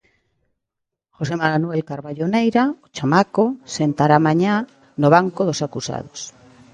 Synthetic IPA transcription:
xosemanwelkaɾβaʎonejɾaot͡ʃamakosent̪aɾamaɲa | noβ̞aŋkoðosakusa̰ð̞os

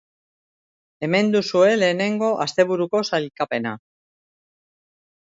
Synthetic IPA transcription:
e̞me̞nd̪usue̞le̞ːne̞ŋɡo̞ʔast̪e̞β̞uɾuko̞salkape̞na

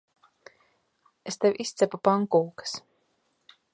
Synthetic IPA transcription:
est̪ewʲʔist̪sʲɛpupaŋkuːkḁs

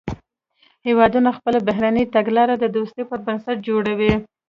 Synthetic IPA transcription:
hewɑd̪unaxpəlabaɦɾanit̪aɡlɑɾad̪əd̪ost̪əpəɾbənsaʈ̚d͡ʒoɽawi

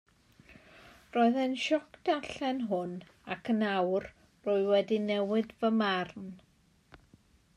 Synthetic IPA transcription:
roɨðənʃɔkʰd̥aɬɛnɦʊn | akʰənawr | rʊɨwɛdinɛwɨdvəmarn

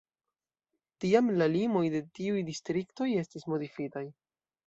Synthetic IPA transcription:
tiamlalimo̞jde̞tiujdistɾikto̞je̞stismo̞difitaj

